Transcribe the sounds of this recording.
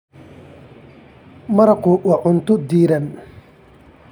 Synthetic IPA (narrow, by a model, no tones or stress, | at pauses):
mɐɾɐkʊwɑʕʊnt̪ʊd̪iːɾɐn